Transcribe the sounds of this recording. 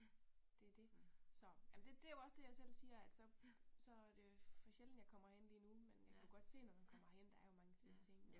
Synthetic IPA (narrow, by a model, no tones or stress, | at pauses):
d̥e̝æɐd̥e̝sɒ̽jæmnd̥e̝d̥e̝joɒ̽sd̥e̝jɑ̈ɪsel̰siːɐæd̥sɒ̽sɒ̽æɐd̥e̝fɒɕel̰n̩jɑ̈ɪkʰɒ̽m̰ɐhen̰liːnumenjɑ̈ɪkæ̥uɡ̥ɒ̽d̥se̝̰ːnɒmænkʰɒ̽m̰ɐhen̰d̥ɑ̈æɐjo̝mɑ̈ŋəfiðˠət͡sʰe̝ŋ̰